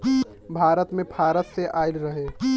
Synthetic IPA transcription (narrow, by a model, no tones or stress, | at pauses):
bʱaːɾət̪mẽbʱaːɾət̪seʔaːɪlɾəɦe